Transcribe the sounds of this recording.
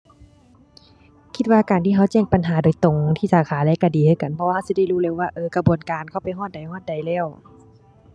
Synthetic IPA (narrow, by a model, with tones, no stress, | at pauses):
kʰi˧t̪̚waː˧kaː˨nt̪ʰiː˧˩ɦa˧˥˩wt͡ɕɛː˧˩ŋpa˨nɦaː˨˦doː˨˩˦jt̪o˨ŋt̪ʰiː˧˥˩saː˨˦kʰaː˨˦lɛː˧˥˨ka˧˩diː˨˦hʰɤː˧˩˨ka˨npʰɔ˧waː˧ha˧˩˨si˧˦da˧˥˨jluː˧˥˨lɛː˧˨waː˧ʔɤː˧ka˧bu˨ənkaː˨nkʰa˧˩wpa˨˩jɦɔː˧˥˩t̪̚da˨˩jɦɔː˧˥˩t̪̚da˨˩jlɛː˧˥˩w